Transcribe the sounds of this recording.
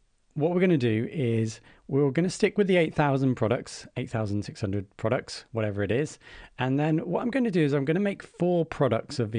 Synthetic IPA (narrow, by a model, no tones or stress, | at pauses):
wɒʔwɪɡʌnədəɪz | wɪɡʌnəstɪkwɪðieɪʔ̪θaʊzə̃npʰɹ̥ɒɾək̚tseɪʔ̪θaʊzə̃nnsɪkshʌ̃ndɹəd̚pʰɹ̥ɒɾək̚tswɒɾɛvəɹɪɾɪz̥ə̃nðə̃nwɒtãɪ̃mɡəʊɪ̃ntʰədəɪzãɪ̃mɡʌñəmeɪkfɔːpʰɹ̥ɒɾə̰k̚tsəvði